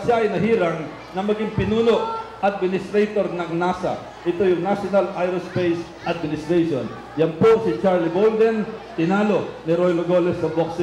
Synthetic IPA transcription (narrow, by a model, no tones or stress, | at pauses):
ʃaʔɐjnɐɦiːɾɐŋ | nɐŋmɐɡiŋpɪnuːno̞ʔʔɐd̪̚mɪnɪst̪ɾɛjt̪o̞ɾnɐŋnaːsɐ̰ | ʔɪt̪o̞jʊŋnaʃonɐlʔajɾʊspejs | ʔɐd̪̚mɪnɪst̪ɾɛjʃo̰n | jɐnpo̞sɪt͡ʃaɹlɪbold̪ɛnt̪ɪnaːlo̞nɪɾojloɡolɛsɐboksɪ